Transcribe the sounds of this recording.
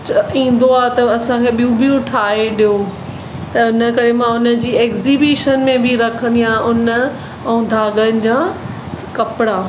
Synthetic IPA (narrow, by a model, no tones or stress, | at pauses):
t͡ɕĩːn̆d̪oaːt̪ɐɐsãkʰeɓiũbiũʊʈʰaːeɗijo | t̪ɐʊnə̆kɐɾemãʊnə̆d͡ʑiːeːkziːbiːʃənmẽbʱɪɾɐkʰə̃n̆d̪ijãʊnə̆ | ɛ̃ũd̪ʱaːɡənɪ̆d͡ʑa | kɐpɪɽaː